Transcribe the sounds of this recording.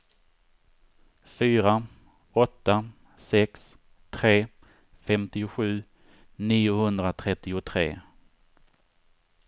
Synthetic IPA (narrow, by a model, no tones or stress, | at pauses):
fyːɾa | ɔt̪ːa | sɛks | t̪ʰɾeː | fɛmt̪ɪʊɧʉ̟ː | niːʊhɵnd̪ɾat̪ʰɾɛt̪ːɪʊt̪ʰɾḛː